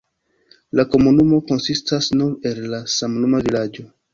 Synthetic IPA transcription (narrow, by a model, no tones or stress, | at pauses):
lako̞munumo̞ko̞nsistasnune̞lːasamnumavilad͡ʒo̞